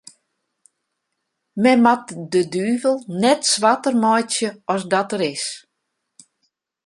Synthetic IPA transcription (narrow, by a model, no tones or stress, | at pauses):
mɛmat̚dədyːvəlˠnɛtsʋatərmɔjtjəɔsdɔtəɾɪs